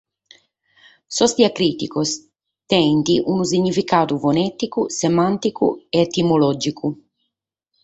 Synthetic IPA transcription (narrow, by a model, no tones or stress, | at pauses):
sɔst̪iakɾit̪ikos | t̪ɛnt̪iʔunus̬iɲːifikaːd̪uvonɛt̪ikusemant̪ikṵeet̪imolɔd͡ʒikʰu